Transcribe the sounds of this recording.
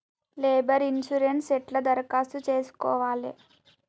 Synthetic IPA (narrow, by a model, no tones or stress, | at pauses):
leːbɐɾinʃuɾenʈsɛʈlɐd̪ɐɾkaːst̪ut͡ʃeːsu̥kɔːʋaːli